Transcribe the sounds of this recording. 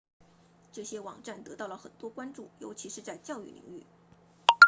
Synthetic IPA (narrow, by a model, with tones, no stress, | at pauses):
ʈ͡ʂɤ˥˩ɕjɛ˥wɑ̰˨˩ŋʈ͡ʂa˥˩nt̪ɤ˧˥t̪ɑ˥˩ʊlə˩xə̰˨˩nt̪wɔ˥kwa˥nʈ͡ʂu˥˩jo˧˥ʊt͡ɕʰi˧˥ʂɻ̩˥˧t͡sa˥˧ɪt͡ɕjɑ˥˧ʊy̰˥˩lḭ˧˥˦ŋy̰˥˩